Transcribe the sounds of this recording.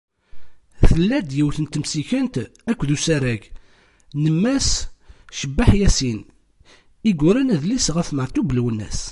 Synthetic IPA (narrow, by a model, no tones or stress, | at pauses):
θəlːæd̪jiwθənt̪əmsikənt̪ækʷːðusæɾæɡ | nəmːæsʃəbːaħjæsin | iɡʊɾænæðlisʁæfməɾt̪ublwənːæ̰s